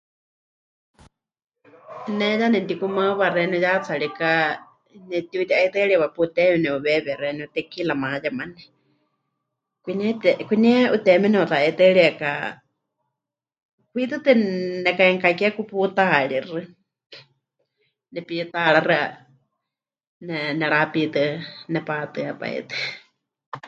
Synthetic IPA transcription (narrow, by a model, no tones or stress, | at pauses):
nɛjanɛnt̪ikumaβarɛnujat͡sʰaɺika | nɛt̪iut̪iʔait̪əɺiβaput̪ɛmɛnɛuβɛβɛrɛnɛut̪ɛkilamãjamanɛ | kʷinɛt̪ɛkʷinɛʔut̪ɛmɛnɛut̪aɛt̪əɺiɛka | kwit̪ɨt̪ɨnɛkaɛŋkakiakuput̪aaɺirɨ | nɛpit̪aɺarɨa̰ | nɛnɛɺapit̪ɨnɛpat̪ɨapa̰ḭt̪ɨ